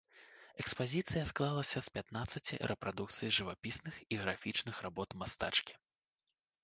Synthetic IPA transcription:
ɛkspazʲit̪sɨjɐsklˠalˠɐsʲɐspʲat̪nat̪sːɐt͡sʲḭɾʔɛpɾad̪uk̚t̪sɨjiʐɨvapʲisnɨxiɣɾafʲit͡ʂnɨxrabɔt̪mast̪a̰t͡ʂkʲi̥

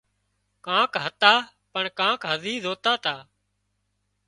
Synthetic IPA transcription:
kãːkɦət̪aː | pəɳkãːkɦəziːzoːt̪aːt̪aː

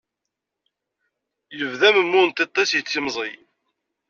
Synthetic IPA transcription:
jəvðæməmːunt̪et̪ˤːɑsjət͡sːimzˤij

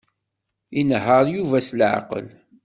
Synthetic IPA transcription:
inɦəɾjuvæslʕa̰qə̰l

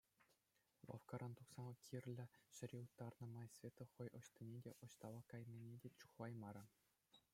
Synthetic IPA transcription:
lˠɑ̰fkɑɾʔɑnt̪uksɑmɤ̆kʲʰirʲlʲɘ̆ɕɘ̆ɾʲiut̪ːɑrnɤ̆mɑjsʲvʲet̪ɤ̆χɤ̆jɤ̆ɕt̪ʲɤnʲedʲeʔɤ̆ɕt̪ɑʋɑkɑjmʲenʲedʲet͡ɕu̥χʋɑjmɑɾɤ̆

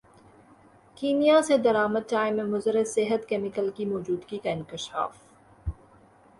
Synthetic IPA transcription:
kiːmijased̪ɐɾaːməd̪̚ʈaːɪmẽmʊzəɾɪsɪɦət̪keːmɪkəlkimoːd͡ʒuːd̪ɡikaɪ̃ŋkɪʃa̰ːf

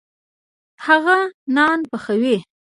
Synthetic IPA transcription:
haɣanɑnpəxəwe

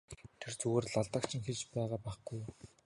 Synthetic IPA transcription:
t̪ʰert͡sɵɣoːrɮaɮt̪ə̆kt͡ɕʰĭŋxeɮt͡ɕpæːʁaːpæːχɡ̥uj

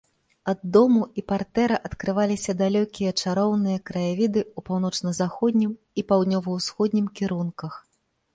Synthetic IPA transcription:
ɐd̪ːɔmuipart̪ɛɾɐʔɐt̪kɾɨvalʲisʲɐd̪alʲɔkʲijɐt͡ʂaɾɔwnɨjɐkɾɐjavʲid̪ɨupawnɔt͡ʂnɐzaxɔd̪ʲnʲim | ipawd̪nʲɔvɐwsxɔd̪ʲnʲimkʲiɾunkɐx

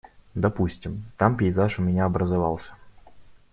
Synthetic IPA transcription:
d̪ɐpusʲtʲɪmt̪ampʲɪɪzaʂʊmʲɪnʲaɐbɾəzavɑ̰lˠsʲə̥

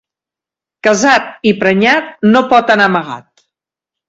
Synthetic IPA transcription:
kəzat̪̚ipɾəɲat̪̚nopɔt̪ənaməɣa̰t̪̚

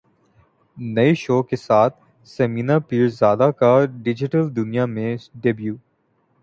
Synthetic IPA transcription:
nɐiʃoːkesaːt̪̚ʰ | sɐmiːnapiːɾzaːd̪akaɖɪd͡ʒɪʈəld̪ʊnijamẽɖebjuː

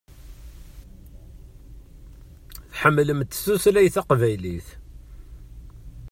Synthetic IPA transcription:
θħəmːləmt̪ːsuslæjθaqvæjliθ

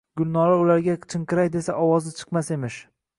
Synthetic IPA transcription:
ɡʲʊlˠnɒɾaʊlaɾɡʲat͡ʃʰɨŋqʰɨɾajd̪e̞saʔɒwɒzɪt͡ʃʰɨ̥qmase̞mɪʃ

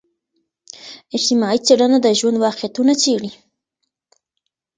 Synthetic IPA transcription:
ɪd͡ʒt̪ɪmɑit͡saɽanad̪əʒwand̪wɑqjat̪unat͡ʃeɽi

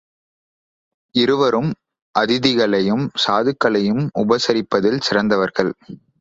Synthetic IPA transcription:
ɪɾɯʋɐɾɯm | ʔɐðɪðɪɣɐɭɐjɯmsaːðɯkːɐɭɐjɯmʊbɐsɐɾɪpːɐðɪlsɪrɐnd̪ɐʋɐɾɣɐɭ

